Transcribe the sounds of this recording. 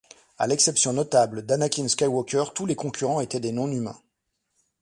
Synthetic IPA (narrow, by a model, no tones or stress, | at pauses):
a̰lɛksɛpsjɔ̃nɔt̪abləd̪anakʲinskajwɔkʲœʁt̪ulekɔ̃kʲyʁɑ̃et̪ɛd̪enɔ̃nymɛ̰̃